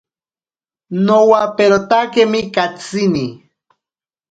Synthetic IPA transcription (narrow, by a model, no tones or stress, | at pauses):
nowapeɾot̪akemɪkat͡sini